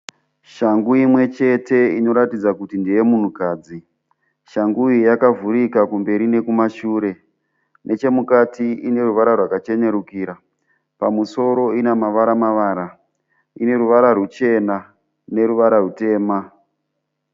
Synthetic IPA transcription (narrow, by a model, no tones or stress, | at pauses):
ʃaŋɡuimwe̞t͡ʃe̞te̞ino̞ɾatid͡zakutindije̞mun̤ukaːd͡zi | ʃaŋɡuijakavuɾikakumbe̞ɾine̞kumaʃuːɾe̞ | nʔe̞t͡ʃe̞mukatiine̞ɾuʋaɾarwakat͡ʃe̞ne̞ɾukiːɾa | pamuso̞ɾo̞inamaʋaɾamaʋaːɾa | ine̞ɾuʋaɾarut͡ʃe̞na | ne̞ɾuʋaɾarute̞ːma